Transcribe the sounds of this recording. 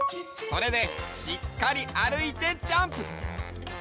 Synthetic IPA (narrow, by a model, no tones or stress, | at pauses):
so̞ɾe̞d̪e̞ɕikːaɾʲiʔaɾɯ̟it̪e̞t͡ɕãmpɯ̟